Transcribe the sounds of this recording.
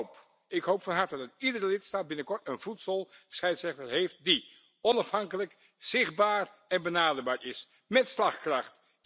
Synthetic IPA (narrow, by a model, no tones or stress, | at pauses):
p | ɪkɦowpfɑnɦɑɹtədɑtidəɾəlɪtstaːd̚bɪnəkɔɹtənvutsəlˠsχɛjtsɛχtəɹɦejft̚di | ɔnɑfɦɑŋkələk | z̥ɪχdbaːɹɛnbənaːdəɹbaːɹʔɪs | mɛtslɑχkrɑχt